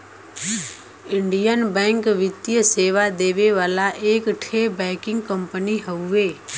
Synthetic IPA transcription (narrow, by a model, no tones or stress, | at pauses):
ɪ̃ɳɖijənbɛ̃ːŋkʋɪt̪jəseːʋad̪eːʋeʋaːlaʔeːkʈʰeːbɛ̃ːkɪ̃ŋɡkə̃mpəniɦəueː